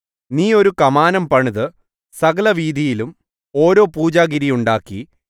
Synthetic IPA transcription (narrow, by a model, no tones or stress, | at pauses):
niːo̞ɾukɐmaːnɐmpɐɳiðɨ | sɐɡɐlɐʋiːd̪ʱijilum | o̞ːɾo̞ːpuːd͡ʑaːɡiɾijuɳɖaːkːi